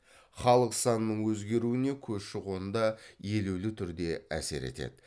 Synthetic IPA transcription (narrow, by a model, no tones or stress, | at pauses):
χɑlˠəqsɑnənəɴwɵzɡʲe̞ɾuɪne̞kʲʰɵsʃɪʁwo̞nnd̪ɑje̞lewlɪt̪ʰʏɾd̪e̞æ̰se̞̰ɾḛt̪e̞̰d̪ɪ